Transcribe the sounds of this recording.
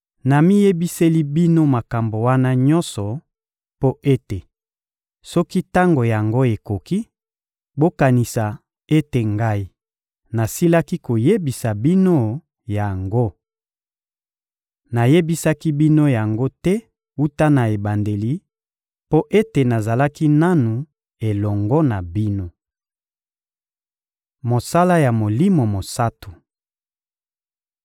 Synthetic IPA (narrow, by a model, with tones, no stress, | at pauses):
na˨mi˦je˦bi˦se˦li˦bi˦no˦ma˨ka˨mbo˨wa˦na˦ɲɔ̃˦nsɔ˨ | po˦e˦te˨ | sɔ˦ki˦ta˦ŋɡo˨ja˨ŋɡo˦e˨ko˨ki˦ | bo˦ka˨ni˨sa˨ | e˦te˨ŋɡa˦i˦ | na˨si˦la˦ki˦ko˨je˦bi˨sa˨bi˦no˦ | ja˨ŋɡo˦ | na˨je˦bi˦sa˦ki˦bi˦no˦ja˨ŋɡo˦tɛ˦ | u˦ta˦na˨e˨ba˨nde˨li˦ | po˦ʔe˦te˨na˨za˨la˦ki˦na˦nu˨ | e˨lɔ˨ŋɡɔ˦na˨bi˦no˦ | mo˨sa˦la˦ja˨mo˨li˦mo˨mo˨sa˦tu˨